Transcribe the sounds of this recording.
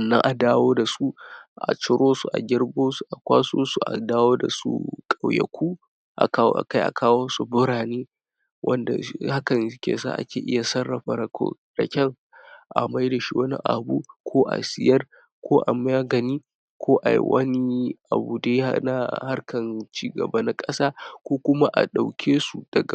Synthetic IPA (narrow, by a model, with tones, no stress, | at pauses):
ɐ˨nːɐ̰˦ŋʔa˨daː˦woː˦da˨su˦ʔa̰˨t͡ʃɪ˦ɾoː˦su˨ʔa˨ɡʲɪ˦ɾboː˦su˨ʔa˨kʷaː˦so̰ː˦su˨ʔa̰˨daː˦woː˦da̰˨sṵ˦kʼa˨wjɐ̰˨kʷuː˦ | ʔa̰˨kʔa̰˨ka˦jʔa̰˨kʰaː˦woː˦su˨bʊ˦ɾaː˨neː˦ | wʔɐ̰˦nda̰˨ha˦kɐ˨ŋ˦kʲḛː˨sa̰ː˦ʔa̰˦kʲeː˨ʔɪ˦ja˨sɐ˦rːɐ˨ɸɐ˨ɾɐ˨ko̰˦ | dɐ˨kʲɐ˦˨ŋ | ʔa̰˨ma˦jda˨ʃi˦wɐ˦nḭ˦ʔa̰˨bṵː˦kʷʰoː˦ʔa̰˨sɪ˨jɐ˦r | kʷʰoː˦ʔa˨m˦aː˦ɡɐ˨niː˦ | kʷʰoː˦ʔa˨jḭ˦wʔɐ̰˦ni˦ʔa̰˨buː˨de˦a̰˦na˦ha˦rkʰɐ˨nt͡ʃiː˦ɡɐ̰˨ba˦na˨kʼɐ˦saː˦kʷoː˦kʷʊ˦ma˦ʔa̰˨ɗa˨wkʲʰeː˦su˨d̥ɐ˨ɡa˨